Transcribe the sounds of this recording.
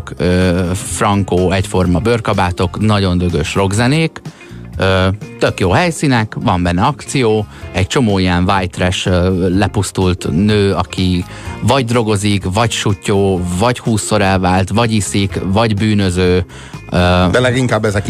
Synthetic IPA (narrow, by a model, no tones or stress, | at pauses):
køːfrɒŋkoːɛcfo̞rmɒbørkɒbaːt̪o̞knɒɟo̞nd̪øɡøʃro̞ɡzɛneːk | øːt̪ø̞kjoːɦɛjsinɛkʋɒmbɛnːɛɒkt̪sijoːɛc̚t͡ʃo̞moːijɛɱvajt̪rɛʃølɛpust̪ult̪nøːɒki | vɒɟd̪ro̞ɡo̞zikvɒcʃucːoːvɒchuːsːo̞ɾɛlvaːlt̪ʋɒɟisikvɒɟbyːnø̞zøː | øːd̪ɛlɛɡiŋkaːbːɛzɛk